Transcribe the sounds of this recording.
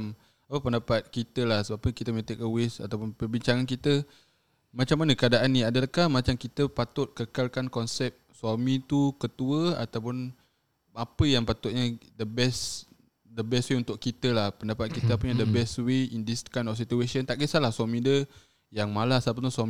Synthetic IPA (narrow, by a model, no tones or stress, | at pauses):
m | apəpəndapat̪̚kit̪əlahsəbapəkit̪əmə̃t̪ek̚əwesa̰t̪awp̬ʊnpərbiɲt͡ʃaŋankit̪ə | mat͡ʃamːanəkəadaʔanːĩadəlahkahmat͡ʃamkit̪əpat̪ʊt̪̚kəkalkankɔnsɛp̚swamĩt̪ukət̪uəa̰t̪awpʊn | apəjaŋpat̪ʊt̪̚ɲədəbɛs | dəbɛstweunt̪ʊʔkkit̪əlahpəndapat̪̚kit̪əpuɲadəbɛsweindiskajnɔfsit̪uesənt̪aʔkisalahswamĩdə | jaŋmalasapət̪uswam